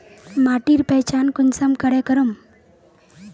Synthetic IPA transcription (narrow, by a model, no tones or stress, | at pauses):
maːʈiːɾpɛt͡ʃaːnkʊnsəmkəɽekəɾum